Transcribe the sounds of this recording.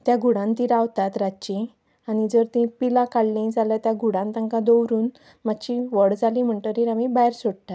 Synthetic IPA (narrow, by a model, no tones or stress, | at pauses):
t̪jaɡʱuɽãnt̪iːɾaʋt̪at̪ɾat͡ɕĩ | anid͡zəɾt̪ĩpilãkaɽlẽĩd͡zalat̪jaɡʱuɽãnt̪ãŋkãd̪owɾuːn | mat͡ɕiʋəɽd͡zalim̤əɳt̪əɾiɾamibajɾsoɽt̪at̪